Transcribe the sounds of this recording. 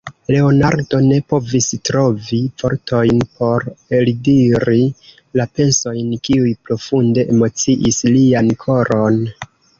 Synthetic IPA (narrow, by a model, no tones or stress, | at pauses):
le̞o̞naɾdo̞ne̞po̞vistɾo̞vifo̞ɾtʰo̞jnpʰo̞ɾelidiɾi | lape̞nso̞jnkiujpɾo̞funde̞ʔemo̞t͡siʔisliankʰo̞ɾo̞n